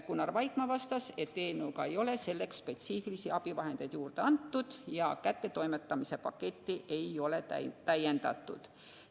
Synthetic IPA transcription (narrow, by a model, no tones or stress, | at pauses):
kunːɑrvɑjkmɑvɑst̪ɑse̞t̪ːeːnuɡɑe̞jo̞le̞se̞lːe̞ksspe̞t̪siːfilisiɑb̥ivɑɦe̞nd̪e̞jd̪̥juːɾd̪̥e̞ɑnt̪ːud̪̥jɑkæt̪ːe̞t̪o̞jmet̪ːˑɑmise̞pɑ̰kːe̞t̪ːiʔe̞jo̞le̞æ̰t̪æjːe̞nd̪̥ɑ̰t̪ːˑṵd̪̥